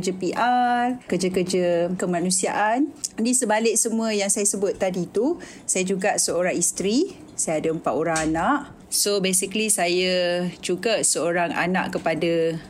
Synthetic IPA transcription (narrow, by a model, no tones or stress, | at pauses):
d͡ʒapiʔarkəd͡ʒakərd͡ʒakəmãnũsia̰ʔandisəbalɪʔ̚səmũəjaŋsajasəbʊt̪̚ːadit̪u | sajad͡ʒuɡaʔsəoɾaŋist̪ɾi | sajaadəəmpaʔ̪oɾaŋanaʔ | sobesiklisajad͡ʒuɡasəoɾaŋa̰nã̰ʔkəpada